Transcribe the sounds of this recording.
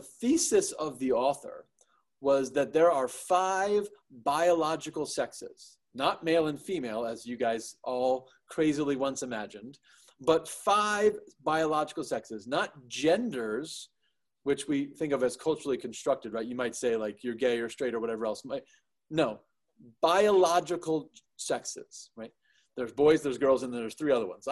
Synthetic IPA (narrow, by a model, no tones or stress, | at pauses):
əθisɨsʌvðiɔθə̰˞ | wʌzðɨt̪̚ðə˞ə˞faɪvbaɪəlɑd͡ʒɨkl̩ˠsɛksɪ̰z̥ | nət̚meɪlˠə̃nfimeɪlˠəzjɨɡaɪzʔɔlˠ | kʰɹ̥eɪzl̩ˠiwʌ̃nsɨmæd͡ʒɨ̃n | bʌtfaɪvbaɪəlɑd͡ʒɨkl̩ˠsɛksɨznət̚d̥ʒ̥ɛ̃ndə˞z̥ | wɨt͡ʃwiθɪ̃ŋkʌvɨz̥kʰʌlˠt͡ʃə˞l̩ˠikʰn̩stɹ̥ʌk̚tɨd̚ɹaɪtjɨmaɪtseɪlaɪkʰjə˞ɡeɪə˞stɹ̥eɪɾə˞wʌɾɛvə˞ɛlˠsmaɪ | noʊ | b̥aɪəlɑd͡ʒɨkl̩ˠ | sɛksɪ̰z̥ɹaɪt̪̚ | ðə˞zbɔɪzðə˞zɡɜ˞lˠzɨ̃nð̃n̩ðə˞z̥θɹiʌðə˞wʌ̰̃nz̥